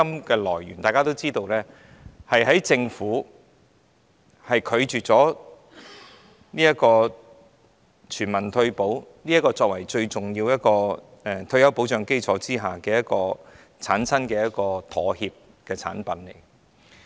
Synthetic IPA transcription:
ɐ˥mkɛː˧lɔː˨˩jɥy̰˨˩nt̪aː˨kaː˥t̪o˥wt͡siː˥t̪o˧wlɛː˥ | hɐ˨jhɐ˨˥jt͡sɪ˧ŋfuː˨˥ | hɐ˨jkʰɵ˨˧ɥt͡ʃyː˨˩t̚t͡sɔː˨˥ | niː˥jɐ˥kɔː˧ | t͡ʃʰyː˨˩nmɐ˨˩nt̪ʰɵ˧ɥpo˨˥wniː˥jɐ˥tkːɔː˧t͡sɔː˧k̚wɐ˨˩jt͡ʃɵ˧ɥt͡sʊ˨˩ŋjiː˧wjɐ˥t̚kɔː˧ | ɛ˧˩t̪ʰɵ˧ɥjɐ˨˥wpo˨˥wt͡ʃœː˨˧ŋke˥jt͡sʰɔː˨˥t͡siː˥ɦaː˨kɛː˧jɐ˥t̚kɔː˧ | t͡sʰaː˨˥nsʰɐ˥nkɛː˧jɐ˥t̚kɔː˧t̪ʰɔː˨˥hiː˧p̚ | kɛː˧t͡sʰa̰ː˨˥npɐ˨˥nlḛ˨˩j

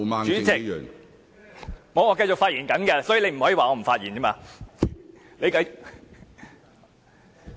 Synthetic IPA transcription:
maː˧t͡ʃyː˨˥t͡sɪ˨kj̰ːŋ | ŋɔ˨˧wŋɔː˨˧kɐ˧jt͡ʃʊ˨k̚faː˧t̚ʔiː˨˩nkɐ˨˥nkɛ˧sɔː˨˥ji˨le˧jm̩˨˩hɔː˨˥jːwaː˨˩ŋɔː˨˧m̩˨˩faː˧t̚jiː˨˩nɛː˥maː˧ | le˨˧jkɐ˧j

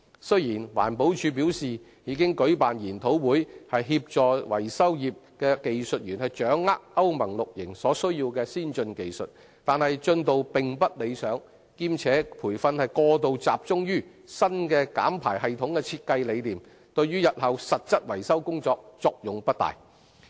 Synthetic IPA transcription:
sɵ˥ɥjiː˨˩nwa̰ː˨˩npo˨˥wt͡ʃʰyː˨˧p̬iː˨˥wsiː˨ | jiː˨˧kɪ˥ŋkɵ˨˥ɥpaː˨njiː˨˩nt̪ʰo˨˥wwuː˨˥jhɐ˨jɦiː˧p̚t͡ʃɔː˨wɐ˨˩jsɐ˥wjiː˨p̚kɛː˧ke˨jsɵ˨t̚jyː˨˩nhɐ˨jt͡ʃœː˨˥ŋːaː˥k̚ʔɐ˥wmɐ˨˩ŋlʊ˨k̚jɪ˨˩ŋsɔː˨˥sɵ˥ɥjiː˧wkɛː˧siː˥nt͡ʃɵ˧nke˨jsɵ˨t̚ | t̪aː˨nhɐ˨jt͡ʃɵ˧nt̪o˨wpɪ˨ŋpɐ˥t̚le˨˧jsœː˨˥ŋ | kiː˧˥mt͡sʰɛː˨˥pʰuː˨˩jfɐ˧nhɐ˨jkɔː˧t̪o˨wt͡sa̰ː˨p̚t͡sʊ˥ŋjyː˥ | sɐ˥nkɛː˧ka̰ː˨˥mpʰaː˨˩jɦɐ˨jt̪ʰʊ˨˧˥ŋkɛː˧t͡sʰiː˧t̚kɐ˧jle˨˧jliː˨m | t̪ɵ˧ɥɥyː˥jɐ˨t̚hɐ˨wsɐ˨t̚t͡sɐ˥t̚wɐ˨˩jsɐ˥wkʊ˥ŋt͡sɔː˧k̚t͡sɔː˧k̚jʊ˨ŋpɐ˥t̚t̪a̰ː˨˩j

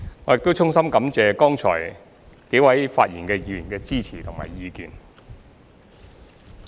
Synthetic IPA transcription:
ŋɔː˨˥jɪ˨k̚t̪o˥wt͡sʰʊ˥ŋsɐ˥mkɐ˨˥mt͡sɛː˨˧kɔː˥ŋt͡ʃʰɔ̰ː˨˩j | k̪e˨˥wɐ˨˥jfaː˧t̚jiː˨˩nkɛː˧jiː˨˧ɥi˨˩nkɛː˧t͡siː˥t͡sʰiː˨˩t̪ʰʊ˨˩ŋma̰ː˨˩jjiː˨˧kiː˨n

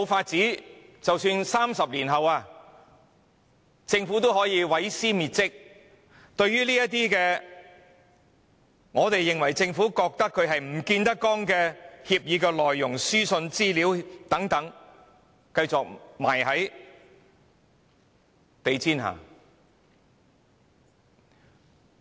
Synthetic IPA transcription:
mo˨˧wfaː˧t̚t͡siː˨˥ | t͡sɐ˨wsyː˧nsaː˥msɐ˨p̚liː˨˩nɦɐ˨waː˧ | t͡sɪ˧ŋfuː˨˥t̪o˥whɔː˨˥jiː˨˧wɐ˨˥jsiː˥miː˨t̚t͡sɪ˥k̚ | t̪ɵ˧ɥyː˥liː˥jɐ˥t̚t̪iː˥kɛː˧ | ŋɔː˨˧t̪e˨jːɪ˨ŋwɐ˨˩jt͡sɪ˧ŋfuː˨˥kɔː˧k̚t̪ɐ˥kʰːɵ˨˧ɥɦɐ˨jm̩˨˩kiː˧nt̪ɐ˥kːɔː˥ŋkɛː˧hiː˧p̚jiː˨˧kɛː˧lɔː˨jːʊ˨˩ŋsyː˥sɵ˧nt͡siː˥liː˨˥wt̪ɐ˨˥ŋt̪ɐ˨˥ŋ | kɐ˧jt͡sʊ˨k̚ma̰ː˨˩jhɐ˨˥j | t̪e˨jt͡sʰiː˥nɦa̰ː˨˩

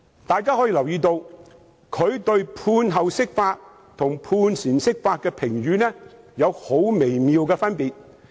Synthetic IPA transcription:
t̪aː˨jkaː˥hɔː˨˥jiː˧lɐ˨˩wjiː˧t̪o˧w | kʰɵ˨˧ɥt̪ɵ˧ɥpʰuː˧nɦɐ˨wsɪ˥k̚faː˧t̚ | t̪ʰʊ˨˩ŋpʰuː˧nsiː˨˩nsɪ˥k̚faː˧t̚kɛː˧pʰɪ˨˩ŋjyː˨˧nɛː˥ | jɐ˨˧who˨˥wme˨˩jmiː˨˧wkɛː˧fɐ˥npiː˨t̚

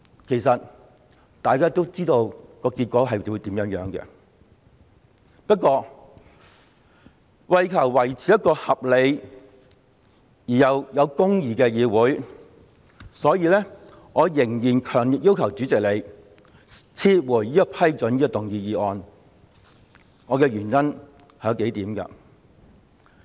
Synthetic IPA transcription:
kʰe˨˩jsɐ˨t̚ | t̪aː˨jkaː˥t̪o˥wt͡siː˥t̪o˧wkɔː˧ki˧t̚kʷɔː˨˥ɦɐ˨jwu˨˧t̪iː˨˥mjœː˨˥ŋjœː˨˥ŋkɛ̰˧ | pɐ˥t̚kʷːɔː˧ | wɐ˨˧jkʰɐ˨˩wwɐ˨˩jt͡sʰiː˨˥jɐ˥t̚kɔː˧hɐ˨p̚le˨˧j | jiː˨˩jɐ˨˧wjɐ˨˧wkʊ˥ŋjiː˨kɛː˧jiː˨˧wuː˨˥j | sɔː˨˥jiː˧lɛː˥ | ŋɔː˨˧jɪ˨˩ŋjiː˨˩nkʰœː˨˩ŋli˨k̚jiː˥wkʰɐ˨˩wt͡syː˨˥t͡sɪ˨k̚le˨˧j | t͡sʰiː˧t̚wuː˨˩jjiː˥ɔ˧pʰɐ˥jt͡ʃɵ˨˥njiː˥˧t̪ʊ˨˩ŋjiː˧jiː˨˧ɔː˧n | ŋɔː˨˧kɛː˧ɥyː˨˩njɐ˥n | hɛː˨˥ke˨˥jt̪iː˨˥mkɐ̰˧

